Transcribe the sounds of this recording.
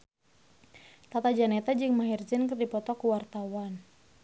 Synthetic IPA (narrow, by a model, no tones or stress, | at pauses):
t̪at̪ad͡ʒanɛt̪ad͡ʒɨŋmaɦird͡ʒənkɨrdipɔt̪ɔkuwart̪awan